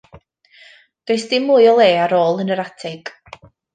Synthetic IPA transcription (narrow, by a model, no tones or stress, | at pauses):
d̥ejsd̥ɪmuːjɔlˠeːaɾoːlˠənəɾatʰɛɡ̥